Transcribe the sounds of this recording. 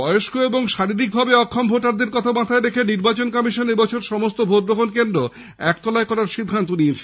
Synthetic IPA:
bɔjoʃkoeboŋʃaɾiɾik̚bʱabeɔkʰːɔmbʱoʈaɾd̪iɾkɔt̪ʰamat̪ʰaeɾekʰeniɾbat͡ɕonkɔmiʃonebɔt͡ɕʰoɾʃɔmost̪obʱot̪bokʰonkend̪ɾo | ɛk̚t̪ɔlaekɔɾaɾʃid̪ʱːant̪uniet͡ɕʰe̥

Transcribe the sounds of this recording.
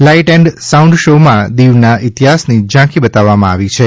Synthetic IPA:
laiʈɛɳɖsaũɳɖʃomãd̪iʋnaʔit̪iɦasnid͡ʒãkibət̪aʋːamãaʋit͡ʃʰe

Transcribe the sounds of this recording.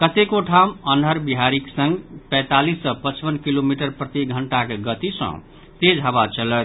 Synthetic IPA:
kət̪ekoʈʰamənəɾbiɦaɾiksə̃ŋɡpɛ̃jt̪alisːʌ̃pət͡ʃbənkilomiʈəɾpɾət̪iɡʱəɳʈakeɡət̪isʌ̰̃ | t̪ed͡ʒɦaβat͡ʃələt̪

